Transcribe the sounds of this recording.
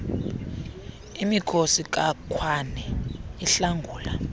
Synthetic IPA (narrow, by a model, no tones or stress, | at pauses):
imikʰosik̬ʼakʰwanɛiɬaŋɡʱuːla